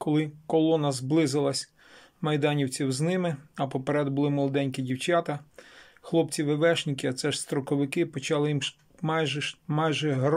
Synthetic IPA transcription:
kɔlˠɪkɔlˠɔnɐzblˠɪzɪlˠɐsʲ | mɐjd̪ɑnʲiwt͡sʲiwznɪmɪɐpɔpeɾɛd̪bʊlˠɪmɔlˠɔd̪ɛnʲkɪdʲiwt͡ʃɑt̪ɐ | xlˠɔpt͡sʲiʋɪʋɛʃnʲikɪɐt̪sɛʃst̪ɾɔkɔʋɪkɪpɔt͡ʃɑlˠɪjim | mɑjʒɛmɑjʒɛɦɾ

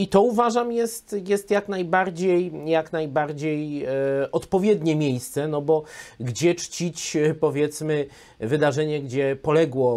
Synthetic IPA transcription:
it̪ɔuvaʐamjɛst̪jɛst̪jaknajbaɾd͡ʑejjaknajbaɾd͡ʑej | ɔt̪pɔvʲjɛd̪ɲɛmʲjejst̪sɛnɔbɔɡd͡ʑɛt͡ʂt͡ɕit͡ɕpɔvʲjɛt̪smɘ | vɘd̪aʐɛɲɛɡd͡ʑɛpɔlɛɡwɔ

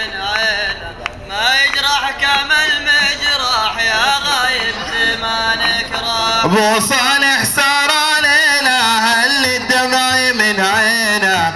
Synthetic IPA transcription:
ɪnʕena | majɪd͡ʒɾˤɑħkamɪlmaɪd͡ʒɾˤɑħjaɣajɪbzimanɪkɾˤɑbosˤɑnɪħsɑːɾˤʕaleːnahalːid̪ːamaːjmɪnʕeːna

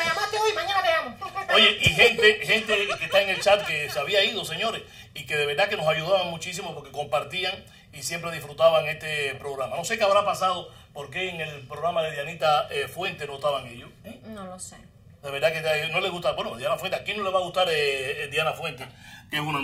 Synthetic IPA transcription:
maɲãnaβeamooʝeʔihe̞nt̪ehe̞nt̪eke̞ht̪aeŋe̞lt͡ʃat̪̚keseaβiaið̞o̞se̞ɲo̞ɾes | ike̞ðe̞βe̞ɾd̪ðake̞no̞saʝuðaβaŋmũt͡ʃis̬imopo̞ɾke̞ko̞mpaɾt̪iaŋ | isje̞mpɾe̞ð̞ifɾut̪aβaŋe̞st̪e̞pɾo̞ɣɾamano̞se̞keaβɾapasað̞o | po̞ɾke̞ːŋe̞lpɾoɣɾamaðeðjanit̪aefwẽ̞nt̪e̞noht̪aβaŋeʎonolose | d̪e̞βeɾðaket̪no̞leɣuht̪abwenod̪janafweakjeno̞leβaɣuht̪aɾed̪janafwe̞nt̪ekesun

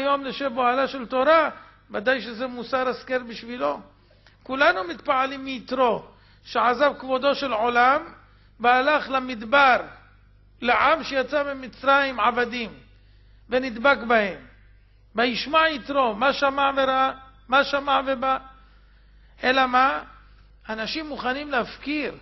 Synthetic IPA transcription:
ajo̞mleʃeboalaʃe̞lt̪o̞ɾa | vad̪ajʃezemusaɾaskeɾbiʃvilo̞ | kulanumit̪paʕalimːiːt̪ɾo̞ | ʃeʕazavkvod̪o̞ʃe̞lʕo̞lam | bealaχlamid̪baɾ | leʕamʃejat͡sabemit͡sɾajimʕavad̪im | venid̪bakbahe̞m | baiʃmaʕit̪ɾo̞maʃamaʕveɾaa | maʃamaʕveba | ʔelama | anaʃimːuχanimleafkiɾ

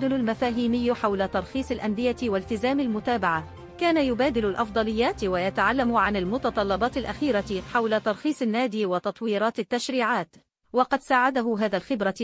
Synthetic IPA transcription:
d̪ɪlʊlmafaːɦiːmɪjːħawlat̪ɑɾˤxiːsˤalʔand̪ɪjawalt̪ɪzaːmalmʊt̪aːbaʕa | kaːnajʊbaːd̪ɪlʊlʔɑfd̪ˤɑlɪjːaːt̪wajat̪aʕalːamʊʕanalmʊt̪ɑt̪ˤɑlːɑbɑːt̪ɪlʔaxiːɾaħawlat̪ɑɾˤxiːsˤanːaːd̪iːwɑt̪ɑt̪ˤwiːɾˤɑːt̪ɪt̪ːaʃɾiːʕaːt̪ | wɑqɑd̪saːʕad̪aɦʊɦaːðalxɪbɾa

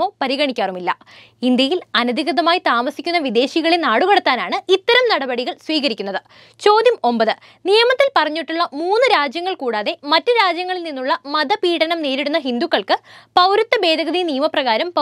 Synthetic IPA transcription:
o̞ːpɐɾiɣɐɳikʲːaːrumilːɐ̰ | ind̪jɐjilɐnɐd̪ʱiɣɐðɐmaːjit̪aːmɐsikʲːunːɐʋid̪e̞ːɕiɣɐɭenaːɽuɣɐɽɐt̪ːaːnaːɳɨit̪ːɐɾɐmnɐɽɐbɐɽiɣɐɭsʋiːɣɐɾikʲːunːɐðɨ | t͡ɕo̞ːd̪jɐmo̞mbɐðɨ | nijɐmɐt̪ːilpɐrɐɲːiʈːuɭːɐmuːnːɨɾaːd͡ʑjɐŋːɐɭkuːɽaːðe̞mɐtːɨɾaːd͡ʑjɐŋːɐɭilninːuɭːɐmɐðɐpiːʈɐnɐmneːɾiɽunːɐɦind̪ukːɐɭkɨpɐwɾut̪ːɐbe̞ːd̪ʱɐɣɐðinijɐmɐprɐɣaːɾɐmpɐ

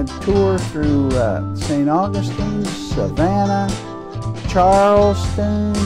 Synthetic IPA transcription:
tʰʊɹθɹʉsẽɪ̃ɾ̃ɔɹɡəstə̃nsəvænə | t͡ʃʰɑɹlˠstə̃n

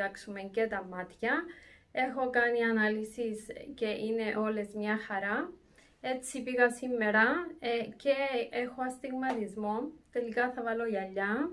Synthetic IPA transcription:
ɐksume̞ŋce̞t̪ɐmɐt̪çɐe̞xo̞kɐniɐnɐlisisce̞ʔine̞ʔo̞le̞zmɲɐxɐɾɐ | e̞t͡sːipiɣɐsimːe̞ɾɐce̞exoɐst̪iɣmɐt̪izmo̞t̪e̞likɐθɐvɐlo̞ʝɐʎːɐ

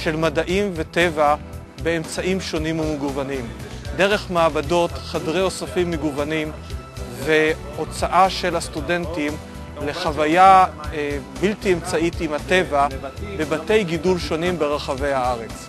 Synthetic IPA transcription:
ʃe̞lmadaʔimve̞te̞va | be̞ːmt͡saʔimʃo̞nimumeɡuvanimd̪e̞ʁe̞χmaːbado̞tχadʁejo̞safimːeɡuvanim | ve̞ | o̞t͡saʔaʃe̞lhastude̞ntim | le̞χavaja | biltiemt͡saitimhate̞vabe̞bate̞jɡidulʃo̞nimbe̞ʁaχave̞jhaaʁe̞t͡s

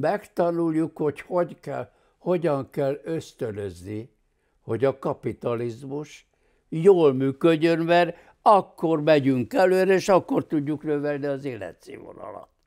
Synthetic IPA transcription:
mɛkt̪ɒnuljukho̞choɟkɛl | ho̞ɟɒŋkɛlːø̞st̪ønøzni | ho̞ɟɒkɒpit̪ɒlizmuʃ | joːlmyːkøɟːønmɛr | ɒkːormɛɟyŋkɛløːɾɛeːʃɒkːo̞rt̪uɟːuknøvɛlniɒzeːlːɛ̰t̪sḛːvo̰nɒ̰lɒ̰t̪

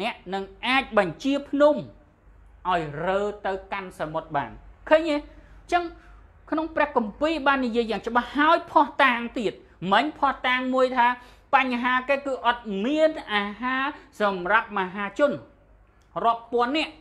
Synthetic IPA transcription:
nɛ̆əʔnɨŋʔaːc̚ɓɑɲt͡ɕiəpʰnum | ʔaɔjrəːt̪ɨwkansamot̪̚ɓa̰ːnkʰəːɲʔeːt͡ɕəŋ | kʰnoŋprɛ̆əhkɑmpiːɓaːnːijiəjːaːŋt͡ɕə̆ɓahːaɔjpʰɑht̪aːŋt̪iət̪̚ | məɲpʰɑht̪aːŋmuəjt̪ʰaː | paɲɦaːkeːkɨːʔɑt̪̚miənʔaːɦaːsɑmrap̚maɦaːt͡ɕʊ̆ən | rŏəpːŏənːɛ̆əʔ

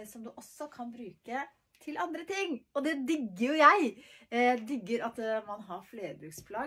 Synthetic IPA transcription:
sɔmd̪ʉʔɔsːɔkʰɑnbɾʉːkə | t̪ʰɪlʔɑnd̪ɾət̪ʰɪŋːɔd̪ɛd̪ʏɡːəɾjʊjæɪæɪd̪ʏɡːəɾɑt̪mɑnɦɑɾfleːɾəbɾʉkspʰlɑː

